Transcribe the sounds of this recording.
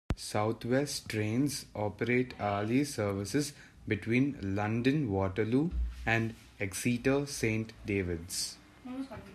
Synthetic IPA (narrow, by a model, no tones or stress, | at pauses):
saʊt̪ʰʋɛsʈʈɾẽːnzɔːpəɾeːʈaːlisəɾʋɪsɪz | bɪʈwĩːnlʌ̃ɳɖə̃nʋɔːʈəluːæ̃ɳɖ | ɛksiːʈəsẽːɳʈɖeːʋɪɖs